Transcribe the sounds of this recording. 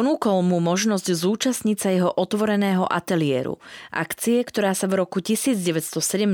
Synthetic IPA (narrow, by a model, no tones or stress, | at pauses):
ɔnuːkɔlmumɔʒnɔzɟzuːt͡ʃasɲit͡sajɛɦɔʔɔt̪ʋɔɾɛnɛːɦɔʔa̰t̪ɛlɪɛːɾṵʔa̰kt͡siɛkt̪ɔɾaːsavɾɔkucisiːd͡zɟɛʋɛcst̪ɔsɛɟɛm